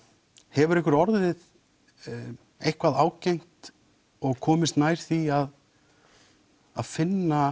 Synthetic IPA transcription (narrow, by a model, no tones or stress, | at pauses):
hɛvʏɾɪhk̬ʏɾɔɾðɪð | ejhkvaðaːwcejŋ̥t̪ | ɔɣkʰɔːmɪst̪naːjɾ̥θiað | aðfɪnːa